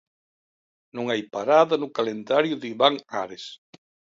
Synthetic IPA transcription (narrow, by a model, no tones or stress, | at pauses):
nõŋajpaɾaðɐnʊkalend̪aɾjʊðiβaŋaɾes